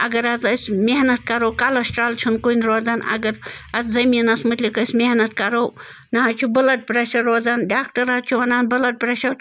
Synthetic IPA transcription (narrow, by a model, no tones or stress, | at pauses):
ɐɡɐɾɐzɐsʲmʲeɦnɐt̪̚kɐɾowkalɐsʈɾaːlt͡ʃʰunkunʲɾoːd͡zanɐ̰ɡɐɾɐt͡szɐmiːnɐsmɨt̪lʲikɐsʲmeɦnɐt̪kɐɾow | nɐɦɐt͡ʃʰubɐlɐʈ̚pɾeʃɐɾːoːd͡zanɖaːk̚ʈɐɾat͡ʃʰuʋɐnaːnbɨlɐʈ̚pɾeʃɐɾ